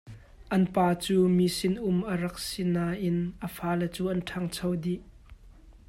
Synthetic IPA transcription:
ʔɐnpaːt͡suːmisɪnʔʊmʔəɾɐk̚sinaːʔɪnʔəfaːlɛt͡suːʔɐnʈʰɐŋt͡sʰɐwdiʔ

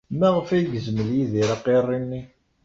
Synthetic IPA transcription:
mæʁəfæjɡəzməljiðiɾɑqːerˤːinːi

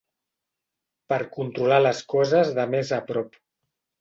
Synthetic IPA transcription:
pəɾkunt̪ɾulaləskɔzəzðəmezəpɾɔp

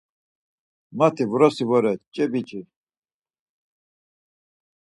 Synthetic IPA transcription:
mat̪ʰivɾɔsivɔɾɛt̪̚t͡ʃʼɛbit͡ʃʼi

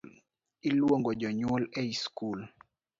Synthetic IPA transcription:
l | ilwoŋɡɔd͡ʒɔɲwolɛiskul

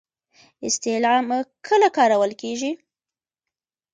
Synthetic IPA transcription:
ɪst̪ɪlɑmkʰəlakɑɾawəlkeʒi

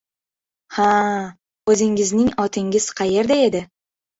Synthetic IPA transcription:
ha | ɵzɪŋɪznɪŋɒt̪ʰɪŋʲɪz̥qʰɑje̞ɾd̪ae̞d̪ɪ

